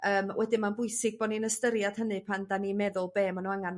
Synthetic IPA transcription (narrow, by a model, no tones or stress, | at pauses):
əːmwʔɛdɪmanbʊɨsɪɡ̚bɔninəstəɾjad̥hənɨpʰandanimɛðʊlˠbeːmanuaŋan